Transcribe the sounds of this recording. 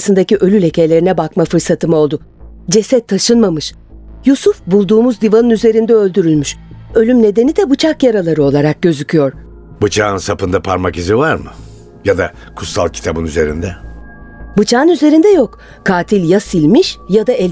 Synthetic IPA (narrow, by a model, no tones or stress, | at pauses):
sɯnd̪aciʔø̞lʲylʲe̞celʲe̞ɾinɛbakmafɯɾsat̪ʰɯmao̞lˠd̪ʊ | d͡ʒe̞sɛt̪ʰːaʃɯnmamɯʃ | jusufbulˠd̪uːmuzd̪ivanɯnyze̞ɾind̪ɛø̞lʲd̪yɾylʲmyʃø̞lʲymne̞d̪e̞nid̪ɛbut͡ʃʰakjaɾalˠaɾɯo̞lˠaɾak̚ɟø̞zycʰyjo̞ɾ̥ | bɯt͡ʃʰaːɯnsapɯnd̪apʰaɾmakizivaɾmɯ̰ | jad̪a | kʰu̥t̪salˠcʰi̥t̪ʰabɯnyze̞ɾḭnd̪ɛ | bɯt͡ʃʰaːɯnyze̞ɾind̪ɛjok | kʰaːt̪ʰilʲjasilʲmiʃjad̪aɛlʲ